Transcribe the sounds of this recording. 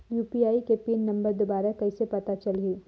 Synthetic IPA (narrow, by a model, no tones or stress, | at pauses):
juːpiaːikepiːnːɐ̃mbəɾd̪obaːɾakɐisepɐt̪at͡ʃɐlɦiː